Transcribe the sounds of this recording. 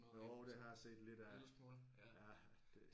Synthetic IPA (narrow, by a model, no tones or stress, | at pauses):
ɒʊd̥e̝ɦɑ̈jɑse̝̰ːd̥le̝d̥æs | jæ | d̥e̝